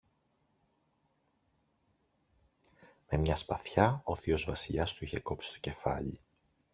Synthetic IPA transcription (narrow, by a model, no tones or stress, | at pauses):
me̞mɲɐspɐθçɐoθio̞zvɐsiʎɐst̪uiçe̞ko̞psi̥st̪o̞̥ce̞fɐʎḭ